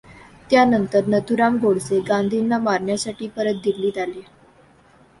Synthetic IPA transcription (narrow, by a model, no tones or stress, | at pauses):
t̪janənt̪əɾnət̪uɾamɡʱoɽseɡand̪ʱinːamaɾɳjasaʈiːpəɾət̪̚d̪ʱiliːd̪ale